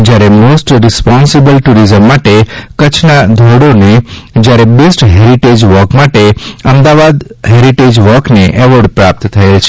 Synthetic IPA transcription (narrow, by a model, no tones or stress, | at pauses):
d͡ʒjaɾemosʈɾɪspɔnsibəlʈuɾizəmːaʈekət͡ʃʰnad̪ʱoɽoned͡ʒjaɾebesʈɦeɾiʈed͡ʒʋɔkmaʈeəmd̪aʋad̪ɦeɾiʈed͡ʒʋɔkneʔɛʋəɾɖpɾap̚t̪t̪ʰəelt͡ʃʰe̥